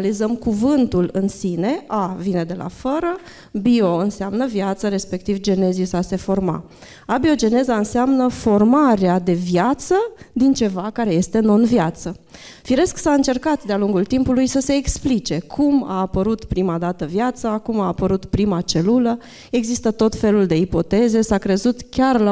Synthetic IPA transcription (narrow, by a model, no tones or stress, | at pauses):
alizəmkuvɨnt̪ulɨnsine̞ʔavine̞d̪e̞la̰fəɾə | bio̞ɨnseamnəvjat̪səɾe̞spe̞k̚t̪ivd͡ʒe̞ne̞zisase̞fo̞rma̰ | abio̞d͡ʒe̞ne̞zaɨnseamnəfo̞rmaɾead̪e̞vjat̪səd̪int͡ʃe̞vakaɾe̞je̞st̪e̞nonvjat̪sə | fiɾe̞sksaɨnt͡ʃe̞rkat̪d̪ealuŋɡult̪impulujsəse̞ːksplit͡ʃe̞kʰuma̰ːpəɾut̪pɾimad̪at̪əvjat̪sakumaːpəɾut̪pɾimat͡ʃe̞lulə | e̞ɡzist̪ət̪o̞t̪fe̞luld̪e̞ipo̞t̪e̞ze̞sakɾe̞zut̪kʲarla